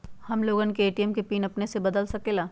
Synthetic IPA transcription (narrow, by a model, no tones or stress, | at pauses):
hɐmloːɡənkeeːʈijɛmkepiːnɐpnesebɐd̪əlsɐkeːlaː